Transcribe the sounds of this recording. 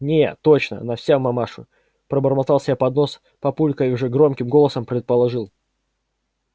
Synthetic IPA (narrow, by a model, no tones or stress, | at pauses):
nʲeot͡ɕnə̰nɐfsʲamːɐmaʂʊ̰ | pɾəbərmɐt̪ɑlˠsʲɪbʲjapɐd̪no̞s | pɐpulʲkəiʊʐɛɡɾo̞mkʲɪmɡolˠəsəmpɾʲɪt̪̚pəlˠɐʐɨlˠ